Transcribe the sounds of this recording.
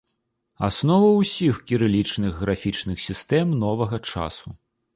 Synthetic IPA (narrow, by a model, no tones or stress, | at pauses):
a̰snɔvɐwsʲixkʲiɾɨlʲit͡ʂnɨɣːɾafʲit͡ʂnɨxsʲist̪ɛmnɔvɐɣɐt͡ʂa̰su